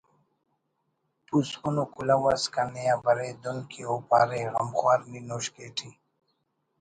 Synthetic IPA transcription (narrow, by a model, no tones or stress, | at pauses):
pusunokulawaskanejabɐɾed̪onkʰiopa̰ːɾeɣɐmxwaːɾninoɕkeːʈʰi